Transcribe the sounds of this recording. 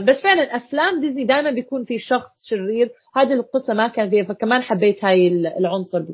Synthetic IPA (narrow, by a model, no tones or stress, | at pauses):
basːfɪʕlanʔaflaːmd̪ɪznid̪aːʔɪmanbɪjakuːnfiʃɑxsˤʃɪrːiːɾ | haːd̪ilqɨsːamakaːnfiːhafakamaːnħabːeːt̪haːjɪlʕʊnsˤʊɾˤb